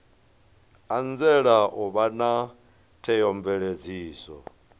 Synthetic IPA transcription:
and͡zɛɺaʔuβana | tʰɛjɔɱvɛɺed͡ziːsɔ̰

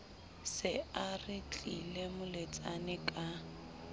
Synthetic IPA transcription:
sɪarɪt͡ɬʼilemʊlet͡sʼanɪkʼa

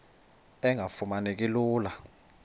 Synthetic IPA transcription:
ɛŋʱafumanek̬ʼiluːla

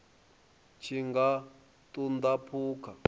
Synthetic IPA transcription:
t͡ʃʰiŋɡa | t̪und̪apʰuːkʰa

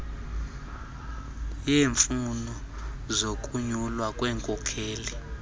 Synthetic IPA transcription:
jeːɱfunɔ | zok̬ʼuɲulwakʼwɛːŋkʼɔkʰeːli

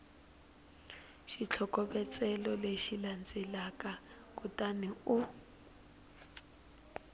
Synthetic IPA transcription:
ʃit͡ɬʰɔkɔbɛt͡sʼɛlɔleʃiland͡zɛlakʼa | kutʼaniu

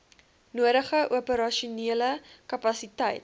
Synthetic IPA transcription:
nuəɾəχəʔuəpəɾɐʃuniələkɐpɐsitəjt̚

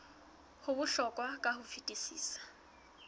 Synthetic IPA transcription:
hʊbʊɬɔkʼwakʼahʊfitʼisḭːsḁ

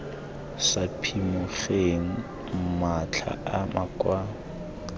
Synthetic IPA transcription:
sapʰimʊχeŋ̩ | mat͡ɬʰa̰amakʼwa

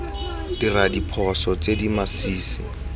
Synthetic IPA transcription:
diradipʰɔsɔt͡sedimasiːsɪ

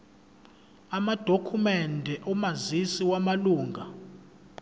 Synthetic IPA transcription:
amad̥ʱokʰumɛndʱɛʔɔmazisiwamaluːŋɡʱa

